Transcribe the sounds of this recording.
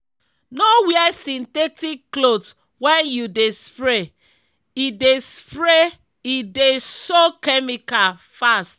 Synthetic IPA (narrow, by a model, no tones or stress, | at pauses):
nowiɛsĩntɛtikːlot | wɛ̃njudespɹe | idespɾe | idesokɛmikalfast̚